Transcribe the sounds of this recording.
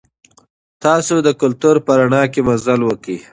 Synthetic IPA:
t̪ɑːsod̪əkʊlt̪uɾpəɾaɳɑkemazalwəki

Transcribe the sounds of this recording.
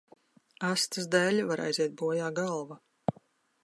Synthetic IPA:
ast̪ɨsd̪ælʲvaɾʔa̰jzʲiɛt̪̚buɔjaːɡalˠva

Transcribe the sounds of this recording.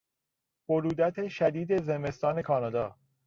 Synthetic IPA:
b̥oɾuːd̪æt̪ʰeʃæd̪iːd̪e̞ze̞me̞st̪ɒːne̞kʰɒːnɒːd̪ɒː

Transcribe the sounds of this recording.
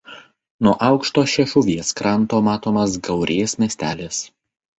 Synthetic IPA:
nuɔʔɐʊkʃt̪oːʃʲɛʃʊʋʲiɛskɾɐnˑt̪oːmɑːt̪oːmɐs̬ɡɐʊɾʲeːsmʲɛsʲt̪ʲæːlʲɪs

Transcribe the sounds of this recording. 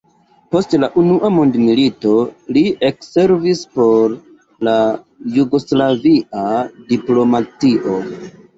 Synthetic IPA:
po̞stlaʔunuʔamundmilito̞liekse̞ɾvispo̞ɾ | la | juɡo̞slaviʔadiplo̞matiʔo̞

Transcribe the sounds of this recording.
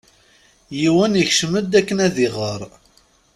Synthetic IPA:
jiwænəçʃəməd̪ækːənæðiʁəɾˤ

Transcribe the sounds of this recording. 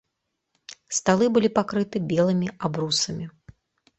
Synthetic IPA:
st̪alˠɨbɨlʲipakɾɨt̪ɨbʲɛlˠɨmʲiabɾusɐmʲi

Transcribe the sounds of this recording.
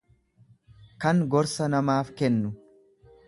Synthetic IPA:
kɐŋɡɔɾsɐnɐmaːfkɛnːʊ

